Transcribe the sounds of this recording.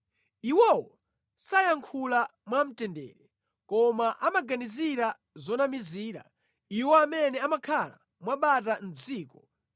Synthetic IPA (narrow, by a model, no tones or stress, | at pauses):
iwɔwɔ | sajaŋkʰulamwam̩tɛndɛ̰ːɾɛ | kɔmaʔamaɡaniziɾa | zɔnamiziːɾa̰ | iwɔamɛnɛamakʰala̰ | mwaɓat̬an̩d͡ziːkɔ